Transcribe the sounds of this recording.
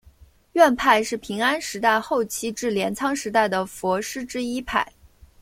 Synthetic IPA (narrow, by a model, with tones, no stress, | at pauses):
ɥɛ˥˧npʰa˥˧ɪʂɻ̩˥˩pʰi˧˥ŋa˥nʂɻ̩˧˥t̪a˥˧ɪxo˥˩ʊt͡ɕʰi˥ʈ͡ʂɻ̩˥˩ljɛ˧˥nt͡sʰɑ˥ŋʂɻ̩˧˥t̪a˥˩ɪd̪ə˩fwɔ˧˥ʂɻ̩˥ʈ͡ʂɻ̩˥i˥pʰa˥˩ɪ